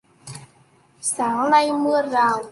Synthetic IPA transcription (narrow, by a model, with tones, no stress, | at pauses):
saː˨˦ŋna˧jmɨ˧əzaː˨˩w